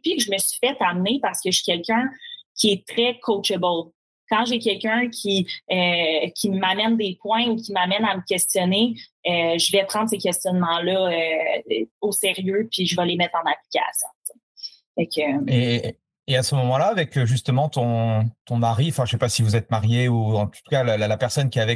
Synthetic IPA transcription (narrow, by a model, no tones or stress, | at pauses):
pɥiʒəməsɥi̥fɛt̪amnepaʁsə̥kəʃi̥kʲɛlkʲœ̃kʲiɛt̪χɛkʰot͡ʃəbəl | kɑ̃ʒekʲɛlkʲœ̃˞kʲʰiøkʲʰimamɛnd̪epwɛ̃ukʲimamɛnaməkʲɛst͡s̪jɔneøʒəvɛpχɑ̃d̪sekʲɛst͡s̪jɔnmɑ̃lʌø | oseʁjøpiʒəvalemɛt̪χɑ̃napli̥kʲa̰sjɔ̰̃t͡se | fɛkøe | easəmɔmɑ̃laːvɛkʒyst̪əmɑ̃t̪ɔ̃t̪ɔ̃maʁĩfɛ̃ʒə̥sepasivuzɛt̪̚maʁjeuɑ̃t̪ut̪u̥kalllapɛʁsɔnkʲiavɛ